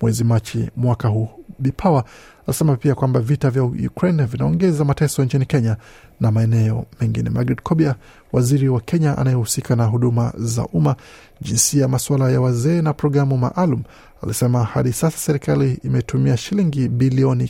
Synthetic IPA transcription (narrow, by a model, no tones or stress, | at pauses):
mwɛzimat͡ʃimwakahuɓipʰawaalisɛmapiakwambavitavjaujṵkɾɛnvinaɔŋɡɛzamatɛsɔiɲt͡ʃinikɛɲanamaɛnɛɔ̰mɛŋɡinɛ̰maɡɾidkʰɔɓia | waziɾiwakʰɛɲaʔa̰najɛhusikʰanaɦuɗuma̰za̰ʔuma | ʄinsiamaswalajawazɛːnapɾɔɡɾamuma̰ʔalumu | alḭsɛmahaɗisasḁsɛɾikaliːmɛtumiaʃiliŋɡiɓiliɔni